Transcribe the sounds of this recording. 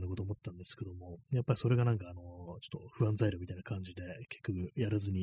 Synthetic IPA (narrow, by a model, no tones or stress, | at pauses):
nakot̪oːmo̞t̪ːãnd̪e̞sɨ̥ke̞d̪o̞mo̞japːaɾiso̞ɾe̞ɡanãŋkaːno̞t͡ɕo̥t̪ːoɸɯ̟ãnzaiɾomʲit̪ainakãɲ̟d͡ʑid̪e̞ke̞̥kʲːo̞kɯ̟jaɾazɨɲ̟i